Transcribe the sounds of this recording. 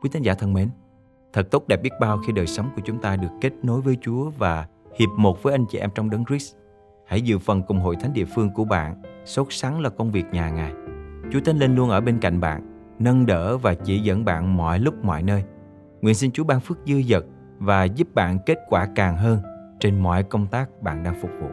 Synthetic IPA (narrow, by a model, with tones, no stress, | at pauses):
kwi˨˦t̪ï˨˦ŋzaː˧˩t̪ʰə˧nme˨˦n | t̪ʰə˨˩t̚t̪o˦˥k͡p̚ɗɛ˨˩ɓi˦˥ət̚ɓaː˧wxi˧ɗəː˨˩jsə˨˦wŋ͡mku˧˩ət͡ɕʊ˨˦ŋ͡mt̪aː˧ɗɨ˨˩əkːe˦˥t̚no˨˦jvəː˨˦jt͡ɕu˨˦əvaː˨˩hi˨˩əp̚mo˨˩t̚vəː˨˦jʔa˧jŋ̟t͡ɕḭ˧˩ʔɛ˧mt͡ɕɔ˧wŋ͡mɗə˨˦nɹi˦˥s | ha̰˧˩jzɨ̰˧˨fə˨˩nkʊ˨˩ŋ͡mɦo̰˧˨t̪ʰjŋ̟ɗḭ˧˨əfɨ˧əŋku˧˩əɓa̰ː˧˨nso˦˥t̚sa˨˦ŋlaː˨˩kə˧wŋ͡mvi˨˩ək̚ɲaː˨˩ŋaː˨˩jt͡ɕu˨˦ət̪ʰə˧nle˧nlu˧ənʔəː˧˩ɓe˧nka̰˧˨jŋ̟ɓa̰ː˧˨n | nə˧nɗə̰ː˧˥˨vaː˨˩t͡ɕḭ˧˩zə̰˧˥nɓa̰ː˧˨nmɔ̰˧˨jlʊ˦˥k͡p̚mɔ̰˧˨jnəː˧j | ŋwi˨˩ənsi˧nt͡ɕu˨˦ɓaː˧ŋfɨ˦˥ək̚zɨ˧əzə˨˩t̚ | vaː˨˩zu˦˥p̚ɓa̰ː˧˨nke˦˥t̚kwaː˧˩kaː˨˩ŋɦəː˧nt͡ɕe˧nmɔ̰˧˨jkə˧wŋ͡mt̪aː˦˥k̚ɓa̰ː˧˨nɗaː˧ŋfʊ˨˩k͡p̚vṵ˧˨